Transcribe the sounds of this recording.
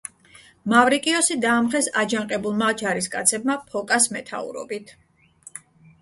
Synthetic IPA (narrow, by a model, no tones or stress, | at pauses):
mavɾikʼiɔsid̪aːmχɛsad͡ʒaŋqʼɛbulˠmad͡ʒaɾiskʼa̰t̪sʰɛbmapʰɔkʼasmɛt̪ʰa̰ṵɾɔ̰bit̪ʰ